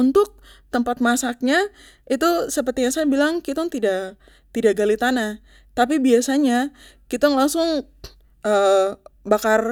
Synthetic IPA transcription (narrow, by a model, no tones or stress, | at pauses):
unt̪ʊk̚t̪əmpat̪̚masak̚ɲa | it̪usəpərt̪ijaŋsajabilaŋkit̪ɔŋt̪ida | t̪idaʔɡalit̪ana | t̪ap̬ibiasaɲa | kit̪ʊŋlaŋsʊŋ | əbakar